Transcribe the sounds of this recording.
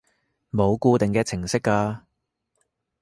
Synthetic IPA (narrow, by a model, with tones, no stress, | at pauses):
mo˨˧wkuː˧t̪ɪ˨ŋkɛː˧t͡sʰɪ˨˩ŋsɪ˥kːaː˧